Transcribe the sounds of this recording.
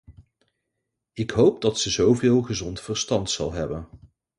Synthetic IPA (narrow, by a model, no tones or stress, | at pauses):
ɪkɦowp̚dɑtsəzowvɪːlˠχəzɔntfəɹstɑntsɑ̰lˠɦɛbən